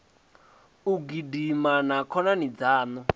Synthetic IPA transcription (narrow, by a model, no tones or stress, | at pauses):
uɡidimanakʰɔnanid͡zaːnɔ